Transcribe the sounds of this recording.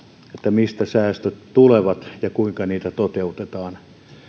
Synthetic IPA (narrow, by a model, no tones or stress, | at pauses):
et̪ːæmist̪æsæːst̪øttuleʋɑt̪jɑkuiŋkɑniːt̪æt̪ot̪eut̪et̪ɑːn